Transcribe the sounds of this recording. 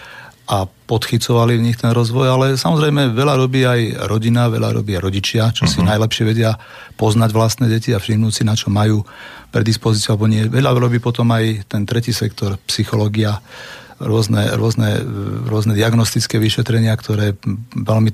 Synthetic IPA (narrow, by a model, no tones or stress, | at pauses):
apɔt̪xit͡sɔʋalivɲixt̪ɛnɾɔzʋɔjalɛsamɔzɾɛjmɛʋɛʎaɾɔbiːajɾɔɟinaʋɛ̰ʎa̰ɾɔ̰biːaɾɔɟit͡ʃɪat͡ʃɔsinajlɛpʃɪɛʋɛɟɪa | pɔznaɟʋlast̪nɛːɟɛciafʃiɦnusinat͡ʃɔmajuːpɾɛd̪ispɔzit͡siualɛbɔɲɪɛʋɛlaɾɔbiːpɔt̪ɔmajt̪ɛnt̪ɾɛciːsɛkt̪ɔɾpsixɔlɔːɡia | ɾʊɔznɛ̰ɾʊɔznɛ̰ɾʊɔznɛd̪iaɡnɔst̪it͡skɛːʋiʃɛt̪ɾɛɲɪakt̪ɔɾɛːʋɛlmi